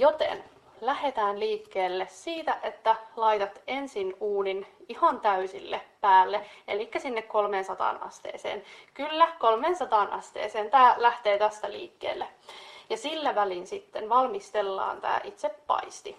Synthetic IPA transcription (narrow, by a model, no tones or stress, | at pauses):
jot̪ḛn | læhet̪æːnliːkːeːlːessiːt̪æʔet̪ːælɑit̪ɑt̪ensinuːninihɑnt̪æysilːeppæːlːeʔḛlikːæsinːekko̞lmeːnsɑt̪ɑ̰ːnɑ̰st̪ḛːsḛːnkylːækolmeːnsɑt̪ɑˑnʔɑ̰st̪ḛːseːnt̪æːlæht̪eːt̪æst̪æliːkːḛːlːæjɑsilːæʋælinsit̪ːenʋɑlmist̪elːɑ̰ːnt̪æ̰ːʔit̪sepːɑ̰ist̪i